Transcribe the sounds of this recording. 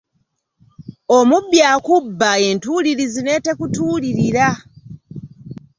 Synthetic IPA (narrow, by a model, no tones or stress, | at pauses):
omubjaːkubːae̞ːntuːliɾizine̞ːte̞kutuːliɾiɾa